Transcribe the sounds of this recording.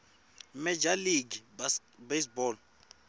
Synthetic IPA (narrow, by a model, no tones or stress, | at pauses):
mɛd͡ʒaliɡi | besbɔːl